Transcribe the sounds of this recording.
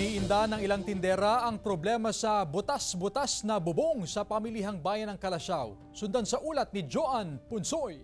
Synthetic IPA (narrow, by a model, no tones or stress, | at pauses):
iʔɪnd̪anɐŋɪlaŋt̪ɪnd̪ɛːɾɐʔɐŋpɾoblɛːmɐsɐbʊt̪asbʊt̪asnɐbʊboŋsɐpɐmiliɦɐŋbaːjɐnɐŋkɐlɐʃaw | sʊnd̪ansɐʔuːlɐt̪̚nɪd͡ʒoʔanpʊnsoj